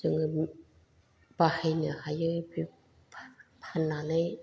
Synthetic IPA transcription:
zɯŋɯ | b̥ahajnɯhajɯbi | pʰanːanɯj

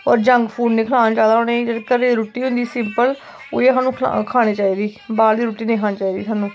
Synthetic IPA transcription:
ɔ̰ːɾd͡ʒəŋɡpʰuːɖnẽːkʰəlaːnat͡ʃaːd̪aːɦoneːd͡ʒəd̪kəɾɾuːʈiːɦʊ̃nd̪iːsɪmpəl | ʊ̰eːsaːnũːkʰaːɽ̃eːt͡ʃaːiːd̪iːbaːld̪iːɾuːʈiːnẽiːkʰaːniːt͡ʃaːiːd̪iːsaːnũː

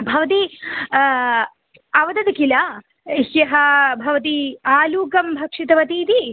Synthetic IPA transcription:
bʱɐʋɐt̪̬i | ɐʋɐd̪ɐd̪ɐkilɐ | ʃjɐɦɐbʱɐʋɐt̪̬iaːluːkɐmbʱɐkʂit̪ɐʋɐt̪iːt̪i

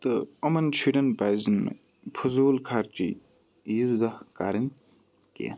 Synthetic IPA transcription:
t̪ɨɐmɐnt͡ʃʰiɖɐnbaːzinmḛ | pʰuzuːlkʰaːɾt͡ʃḭ | jizd̪ɐhkaːɾin | kḛːn

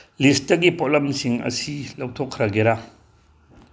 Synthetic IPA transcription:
list̚dɐɡipolɐmsiŋɐ̰silawtʰokʰɾɐɡeɾa

